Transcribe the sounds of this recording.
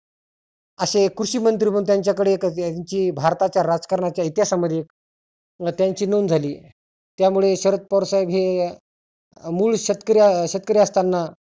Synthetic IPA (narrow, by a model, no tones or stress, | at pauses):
əɕekɾuɕiːmənt̪̬ɾibəũt̪jaɲt͡ɕjakəɽekɲt͡ɕiːbʱaɾt̪at͡ɕjaɾad͡zkəɾɳat͡ɕjait̪jasaməd̪ʱjek | t̪jaɲt͡ɕiːnond͡zʱaliː | t̪jamuɭeɕəɾət̪̚pəwɾsajibɦe | muːɭɕət̪kəɾiaɕət̪̚kəɾiəst̪ʰanːa